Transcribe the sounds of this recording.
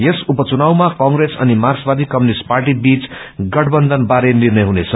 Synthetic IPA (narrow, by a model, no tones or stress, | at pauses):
jesupʌt͡sunawmakʌŋɡɾesʌ̰nimasbad̪ʱikʌmjunisʈparʈibit͡sɡʌʈʰbʌnd̪ʱʌnbaɾenirnʌjɦunet͡sʰʌ